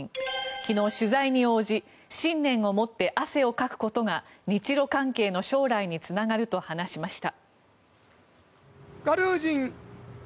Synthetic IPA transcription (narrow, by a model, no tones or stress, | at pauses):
ŋkʲino̞ːɕɨzaiɲ̟io̞ːʑi | ɕĩnːẽ̞ɰ̃o̞mo̞t̪ːe̞ʔase̞o̞kakɯ̟̥ko̞t̪o̞ɡaɲ̟it͡ɕiɾo̞kãŋke̞ːno̞ɕo̞ːɾaiɲ̟it͡sɨnaɡaɾɯ̟t̪o̞hanaɕimaɕi̥t̪a | ɡ̥aɾɯːd͡ʑĩŋ